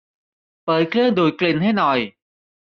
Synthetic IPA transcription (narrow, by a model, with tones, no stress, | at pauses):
ɓəː˨˩jklə˧nɗu˨˩˦jkli˨˩˨nhɛ˧˥nɔ˨˩j